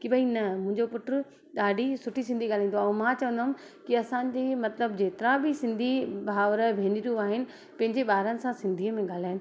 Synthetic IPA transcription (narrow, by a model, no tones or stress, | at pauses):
kibɐinɐmʊ̃ɦɪ̃ɲd͡ʑopʊʈɾʊ | ɗaːɖʱisʊʈʰisɪ̃nd̪ʱiɠaːl̤ãĩːnd̪oãmãːt͡ɕɐʋə̃nd̪aɦʊm | kiɐsãːd͡ʑeːmɐt̪ləbd͡ʑeːt̪ɪɾãbisɪ̃nd̪ʱibʱaːʋɾəbʱẽːniɾijũaːɦɪnɪ̆ | pɐ̃ɦɪ̃ɲd͡ʑeɓaːɾənɪ̆sãsɪ̃nd̪ʱiːəmẽɠaːl̤aːɪnɪ̆